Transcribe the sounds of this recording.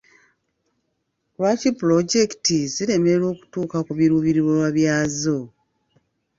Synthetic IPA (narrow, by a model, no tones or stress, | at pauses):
lwaːcipulo̞ɟe̞kitiziɾe̞me̞ɾo̞ːku̥tuːkakuβiɾuβiɾiɾwowaβjaːzo